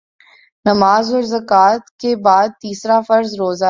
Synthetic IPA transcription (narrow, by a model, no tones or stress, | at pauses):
nɐmaːzɔːɾzɐkaːt̪kebaːd̪̚t̪iːsɾafɐɾzɾoːza